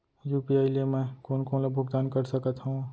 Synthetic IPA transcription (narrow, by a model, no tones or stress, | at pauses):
juːpiaːiliemɛ̃koːnkoːnlabʱʊɡd̪aːnkɐɾsɐkət̪ɦũ